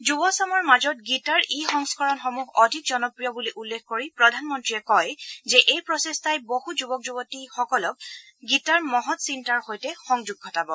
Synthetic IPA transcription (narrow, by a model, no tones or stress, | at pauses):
d͡ʒubɔsamɔɹmazɔt̚ɡitaɹʔixɔŋskɔɹɔnxɔmuɡɔdʱik̚zɔnɔpɹijɔbuliʔulːekʰkoɹipɹɔdʱanmɔntɹiɛkɔjzɛʔejpɹɔsestajbohuzubɔk̚zubɔtixɔkɔlɔk̚ | ɡitaɹmɔɦɔtsintaɹxojtɛxɔŋzuɡ̚ːʰʱɔtabɔ